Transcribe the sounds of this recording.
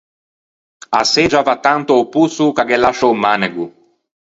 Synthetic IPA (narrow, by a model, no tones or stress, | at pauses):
ased͡ʒavat̪ːant̪oːpusukaɡɛlːaʃowmaneɡu